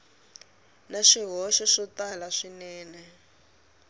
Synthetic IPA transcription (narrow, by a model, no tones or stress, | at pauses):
naʂiɦɔʃɔʂɔtalaʂinɛːnɛ